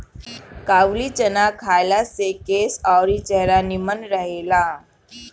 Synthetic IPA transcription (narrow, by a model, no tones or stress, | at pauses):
kaːʋlit͡ʃənakʰaːjlasekeːsɔːɾit͡ʃɛɦɾanimənɾəɦela